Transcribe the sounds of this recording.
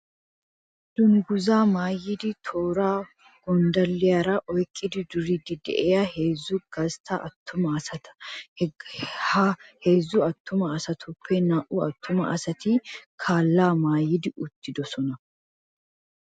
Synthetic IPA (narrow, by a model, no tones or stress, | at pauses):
d̪̥ʊŋɡʊzaːmaːjɪd̪ɪt̪ʰoːɾaː | ɡ̥ɔnd̪ɐlːɪɐɾɐʔɔjkʼːɪd̪ɪd̪ʊɾiːd̪ɪd̪ɛ̰ʔeːɐheːzːuɡ̥ɐst̪ʰaʔɐt̪ːʊmɐɐsɐt̪ɐ̥ | hheːzːuɐt̪ːʊmɐːsɐt̪ʰʊpːɛnɐʔuːɐt̪ːʊmɐ̰ʔɐsɐt̪iːkʰaːlːaːmaːjɪd̪ɪʔʊt̪ːɪd̪ɔsɔnɐ